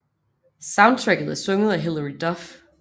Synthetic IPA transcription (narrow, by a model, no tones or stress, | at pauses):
sɑ̈ʊnd̚t͡sʰʁɛɡ̥ð̩ˠæɐsøŋð̞̩ˠæɦeləɹid̥ɒf